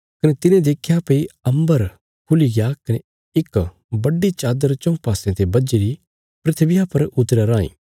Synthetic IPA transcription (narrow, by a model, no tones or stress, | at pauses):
kɐnet̪ɪnẽd̪eːkʰːjapɐiɐ̃mbəɾ | kʰʊliɡɪjakɐne | ɪk | bɐɖːit͡ʃaːd̪əɾt͡ʃɐ̃paːsẽt̪ebɐd͡ʒeɾi | pɾɪt̪ʰbɪjapɐɾʊt̪ɾaɾaːḭ̃ː